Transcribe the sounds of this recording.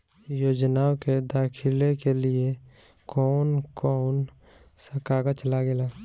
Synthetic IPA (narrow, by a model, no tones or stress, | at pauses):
joːd͡ʒnaoked̪aːkʰɪlekelie | kɔːnkɔːn | səkaɡət͡ʃəlaɡelaː